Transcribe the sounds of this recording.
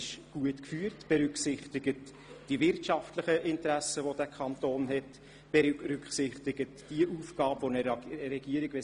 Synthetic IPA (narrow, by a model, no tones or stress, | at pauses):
ɪʃɡ̥uətkfyːəɾtb̥ɛɾʏksɪχtɪɡət | d̥ivɪrtʃɑftləχəʔɪntɾæsəʋodæːkʰɑntoːnɦɛt | b̥ɛɾʏkχsɪχtɪɡ̥ətd̥iəʔuːfɡ̥ɑːpvonəɾɛɡiəɾɪɡ̥ʋɛ